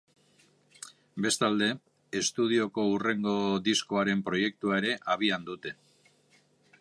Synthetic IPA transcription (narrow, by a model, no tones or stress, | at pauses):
be̞st̪ald̪e̞ | est̪uð̞io̞ko̞ure̞ŋɡo̞ðisko̞aɾe̞mpɾo̞je̞k̚t̪uaeɾe̞ʔaβ̞iand̪ut̪e̞